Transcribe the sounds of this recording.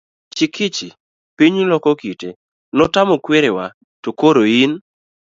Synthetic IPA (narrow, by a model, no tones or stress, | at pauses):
t͡ʃikʰit͡ʃi | piɲlɔkɔkite | nɔtamɔkweɾewa | tokoɾoin